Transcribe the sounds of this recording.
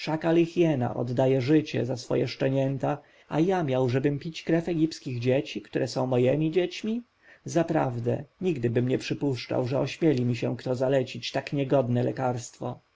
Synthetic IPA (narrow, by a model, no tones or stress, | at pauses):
ʂakalixjɛna̰ʔɔ̰d̪ːajɛʐɘt͡ɕɛ̰zasfɔ̰jɛʂt͡ʂɛɲɛnt̪a | a̰jamʲjawʐɛbɘmpʲit͡ɕkɾɛfɛɡʲipskʲiɣd͡ʑet͡ɕikt̪uɾʔɛsɔ̃w̃mɔjɛmʲid͡ʑet͡ɕmʲi | zapɾa̰vd̪ɛ̰ɲiɡd̪ɘbɘmɲɛpʂɘpuʂt͡ʂa̰wʐɛɔɕmʲjɛlʲimʲiɕɛ̃kt̪ɔzalɛt͡ɕit͡ɕt̪akɲɛɡɔd̪nɛlɛkaɾst̪fɔ